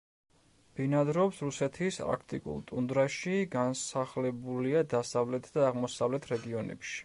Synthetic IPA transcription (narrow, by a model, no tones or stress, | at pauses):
b̥inad̪ɾɔpsɾusɛt̪ʰispʼɾa̰kʰt̪ʼikʼṵlˠt̪ʼund̪ɾaʃiɡansaχlɛbuliad̪asavlɛt̪ʰd̪aːʁmɔsavlɛt̪ʰɾɛɡiɔnɛ̰pʃi̥